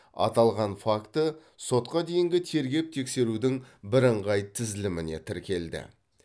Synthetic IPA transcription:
ɑ̰t̪ɑlˠʁɑnfakt̪ə | so̞t̪qɑd̪e̞jɪŋɡʲɪt̪ʰe̞ɾɡʲe̞p̚t̪ʰe̞kse̞ɾud̪ɪŋbɪɾəɴʁɑjt̪ʰɪzɪlɪmɪne̞t̪ʰɪɾkʲe̞ld̪ɪ̰

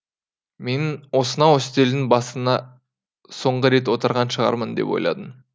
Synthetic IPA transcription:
me̞nwo̞sənɑwost̪e̞ld̪ɪŋbɑsənɑ | so̞ɴʁəɾe̞t̪wo̞t̪əɾʁɑnʃəʁɑ̰ɾmənd̪e̞̰pwo̞̰jlˠɑ̰d̪əm

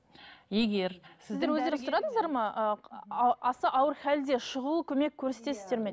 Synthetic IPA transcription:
je̞ɡʲe̞ɾsɪzd̪eɾwɵzenɪssɾɑd̪əɴəzd̪ɑɾmɑə | ɑsəʔɑwəɾχæld̪e̞ʃəʁəlˠəkʲʰɵme̞kʲʰːɵɾset̪esɪzd̪e̞ɾme̞

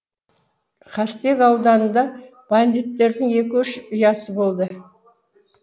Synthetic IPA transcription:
qʰɑst̪e̞kɑwd̪ɑnənd̪ɑ | b̥and̪it̪ːe̞ɾd̪ɪŋe̞k̬ʲɪʏʃʊjɑsəbo̞lˠd̪ə

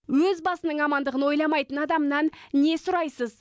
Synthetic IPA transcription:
wɵzbɑsənəɴɑmɑnd̪əʁəno̞jlˠɑmɑjt̪ənɑd̪ɑmənɑnːe̞sʊɾɑjsəz

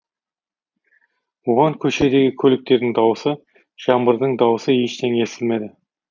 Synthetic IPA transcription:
bʊʁɑŋkʲʰɵʃe̞d̪e̞ɡʲɪkʲʰɵlɪk̚t̪e̞ɾd̪ɪŋd̪ɑwəsə | ʒ̥ɑmbəɾd̪əɴd̪ɑwəsəjeʃt̪ʰeŋe̞sɪlme̞d̪ɪ

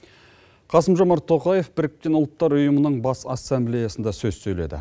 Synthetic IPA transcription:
qʰɑsəmʒomɑɾt̪ʰo̞qɑje̞fbɪɾɪk̚t̪e̞nʊlˠt̪ːɑɾʊjəmənəɴbɑsɑsːemblʲejasənd̪ɑsɵzsɵjle̞̰d̪ɪ̰

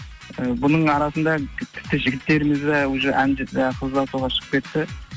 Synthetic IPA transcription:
əbʊnəɴɑɾɑsənd̪ɑt̪ʲʰɪ̥p̚t̪ːɪʒɪɡʲɪt̪ːe̞ɾɪmɪzd̪ɑwoʒeʔænd͡ʒəqʰəzlˠɑsuʁɑʃə̥qəpkʲe̞t̪ːɪ

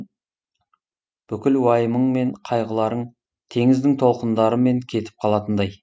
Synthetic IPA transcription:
b̥ʏkʲɪlwɑjəməɴme̞ɴqʰɑjʁəlˠɑɾəɴ | t̪ʰe̞ŋɪzd̪ɪŋt̪ʰo̞lˠqənd̪ɑɾəme̞ŋkʲʰe̞t̪ɪ̥p̚qʰɑlˠɑt̪ənd̪ɑj

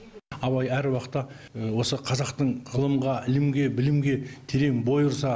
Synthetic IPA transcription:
ɑβɑjæɾwɑqət̪ːɑ | wo̞səqʰɑzɑqt̪əɴʁəlˠəmʁɑʔɪlɪmɡʲe̞bɪlɪmɡʲe̞t̪ʰeɾe̞ŋbo̞jəɾsɑ

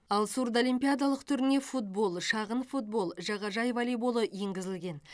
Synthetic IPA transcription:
ɑlˠsuɾd̪olimpʲijad̪alˠəqt̪ʰʏɾɪne̞fut̪̚bo̞lˠʃɑʁənfut̪̚bo̞lˠʒɑʁɑʒɑjvɑlijbo̞lˠəje̞ŋɡʲɪzɪlɡʲe̞n

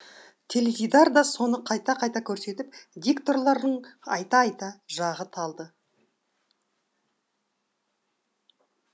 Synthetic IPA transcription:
t̪ʰe̞lʲevʲijd̪ɑɾd̪ɑso̞nəqʰɑjt̪ɑqʰɑjt̪ɑkʲʰɵɾse̞t̪ɪpd̪ʲekt̪o̞rlˠɑɾd̪əɴɑjt̪ɑɑjt̪ɑʒɑʁət̪ʰɑlˠd̪ə

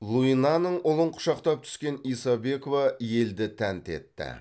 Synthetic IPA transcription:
lˠuinɑnəɴʔʊlˠəɴqʰʊ̥ʃɑqt̪ɑp̚t̪ʰʏ̥skʲe̞nijsɑbe̞ko̞vɑje̞ld̪ɪt̪ʰænt̪e̞̰t̪ːɪ̰

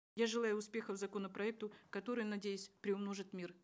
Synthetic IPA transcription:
jaʐɨlˠajʊːspʲe̞xəvzɐko̞nəpɾɐɛk̚t̪ʊkɐt̪o̞ɾɨjnɐdʲejʊsʲpɾʲɪʊmno̞ʐɨt̪mʲir

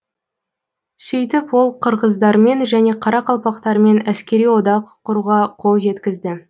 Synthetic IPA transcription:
sʏjt̪ɪpwo̞lˠqʰəɾʁəzd̪ɑɾme̞nʒæne̞qʰɑɾɑqʰɑlˠpɑqt̪ɑɾəme̞næskʲe̞ɾijwo̞d̪ɑqʰːʊɾuʁɑqʰo̞lˠʒe̞t̪kʲɪzd̪ɪ

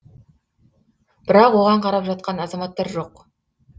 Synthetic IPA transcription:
b̥ɪɾɑqwo̞ʁɑɴqʰɑɾɑpʒɑt̪̚qɑnɑzɑmɑt̪ːɑɾʒo̞q

